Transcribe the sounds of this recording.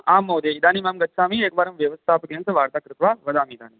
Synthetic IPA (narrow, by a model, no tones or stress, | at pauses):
aːmːoːd̪eid̪aːnimaːmɡɐt̪ːsaːmieːkbaːɾɐmʋjɐʋɐst̪ʰaːpkeːnsɐʋaːɾt̪aːkɾɪt̪ʋaːʋɐd̪aːmiːd̪aːni